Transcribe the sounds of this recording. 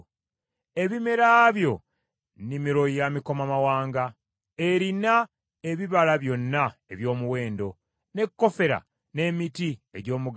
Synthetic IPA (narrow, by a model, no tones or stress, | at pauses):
e̞βime̞ɾaːβjo̞ | nimiɾo̞jamiko̞mamawaːŋɡa | e̞ɾina | e̞βiβalaβjo̞nːae̞βjo̞ːmuwe̞ːndo̞ | ne̞kːo̞fe̞ɾa̰ | ne̞mitie̞̰ɟo̞ːmuɡ